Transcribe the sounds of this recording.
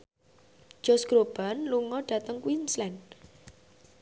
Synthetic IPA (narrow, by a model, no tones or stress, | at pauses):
ʒ̥ɔ̤sɡ̥ɾob̥a̤nluŋɔɖ̥ä̤t̪əŋkwinslɛn